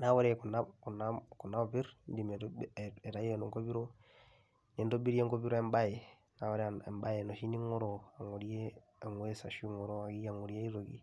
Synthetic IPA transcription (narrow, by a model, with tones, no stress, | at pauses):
na˦wɔ˦ɾɛku˨na˦ku˨naku˨nːa˦˨pi˦ɾndi˨mɛɛ˨ta˨jeno˨ŋko˦bi˦ɾo˦ | nɛ˨ndo˦bi˦ɾi˦e˦ŋko˦bi˦ɾo˦ɛ˦mba˦je˨ | na˨wɔ˦ɾɛ˦ɛ̰˨mba˦je˨no˨ʃi˦ni˦ŋɔ˦ɾoa˨ŋo˨ɾie˦ | a˨ŋwe˦sa˨ʃu˦ŋɔ˨ɾo˦a˨ɡi˦a˨ŋo˨ɾi˦e˦i˦ɾo˨ɡḭ˦